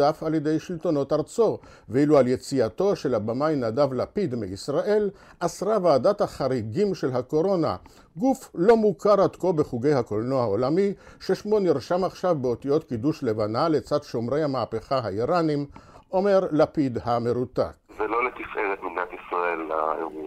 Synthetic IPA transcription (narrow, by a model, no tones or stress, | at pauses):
afaljed̪e̞jʃilt̪o̞no̞taʁt͡so̞ | veilualje̞t͡siat̪o̞ʃe̞labamajnadavlapid̪miisʁaʔe̞l | ʔasʁavaːdat̪haχaʁiɡimʃe̞lɦako̞ɾo̞na̰ | ɡuflo̞mukaʁat̪ko̞be̞χuɡe̞jhakolnohaolamiʃeʃmo̞niʁʃamaχʃavbeot̪ijo̞t̪kiduʃlevanale̞t͡sad̪ʃo̞mʁe̞jhamaːpe̞χaɦaiʁanimʔo̞me̞ʁlapid̪hame̞ʁut̪a̰kzelo̞let̪ifʔeʁet̪miɡnat̪isʁaelːajoɡi